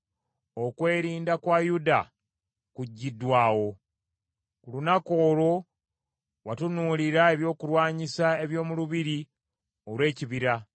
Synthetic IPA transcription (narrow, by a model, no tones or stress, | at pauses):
o̞kwe̞ːɾiːndakwajuda̰ | kuɟːidwaːwo̞ | kulunako̞ːlo̞ | watunuːliɾae̞βjo̞ːkuɾwaːɲisae̞βjo̞ːmuluβiɾi | o̞lwe̞ːciβiɾa